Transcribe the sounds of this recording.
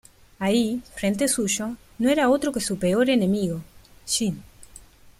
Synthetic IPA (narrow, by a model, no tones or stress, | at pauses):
aifɾent̪̬esuʃo | noeɾaot̪ɾokesupeo̞ɾene̞miɣoʃin